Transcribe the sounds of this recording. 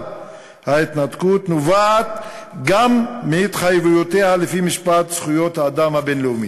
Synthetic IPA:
hait̪nat̪kutnuvaːt̪ɡamːeit̪χajevujote̞halefimiʃpat̪sχujo̞t̪haːd̪amhabe̞nleumi

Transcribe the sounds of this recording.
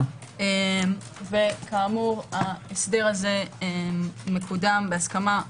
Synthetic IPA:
em | ve̞kaːmuʁaesdeʁaze̞emːekudambeaskama

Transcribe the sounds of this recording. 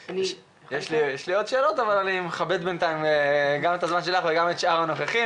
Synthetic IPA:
jeʃlijeʃlio̞d̪ʃe̞ːlo̞t̪avalalimχabed̪bent̪aimɡamet̪azmanʃe̞laχveɡamet̪ʃaʁano̞χeχi

